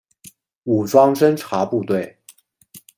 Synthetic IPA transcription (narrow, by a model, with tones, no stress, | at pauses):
u˨˩ʈ͡ʂwɑ˥ŋʈ͡ʂə˥nʈ͡ʂʰa˧˥pu˥˧t̪we˥˩ɪ